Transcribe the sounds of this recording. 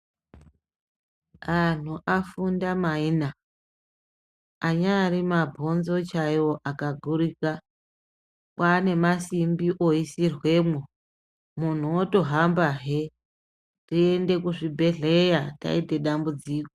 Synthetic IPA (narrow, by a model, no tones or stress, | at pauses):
an̤uʔafundamaina | ɲaːrimabʱo̞nzo̞t͡ʃajo̞ʔakaɡʱuɾika | kwane̞masimbiʔoisirwe̞mwo | mun̤uoto̞ɦambaɦe | rie̞nde̞kuʐibʱe̞ɮe̞jata̰ite̞ɗambud͡ziːko